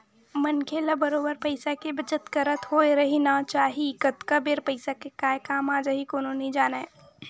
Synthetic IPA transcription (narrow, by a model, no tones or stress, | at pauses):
mənkʰelɐbəɾoːbəɾpɐɪsakebət͡ʃət̪kəɾət̪ɦoːeɾɐɦinat͡ʃaːɦikət̪kabeɾpəɪsakekaːkaːmaːd͡ʒaɦikoːnõnid͡ʒaːna